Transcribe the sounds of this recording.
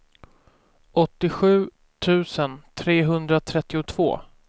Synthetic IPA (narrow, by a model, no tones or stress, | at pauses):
ʔɔt̪ːɪɧʉ̟ː | t̪ʰʉ̟ːsənt̪ʰɾeːɦɵnd̪ɾat̪ʰɾɛt̪ːɪʊt̪ʰv̥o̰ː